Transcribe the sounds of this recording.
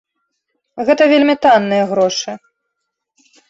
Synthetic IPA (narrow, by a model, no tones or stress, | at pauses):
ɣɛt̪ɐvʲelʲmʲit̪anːɨjɐɣɾɔʂɨ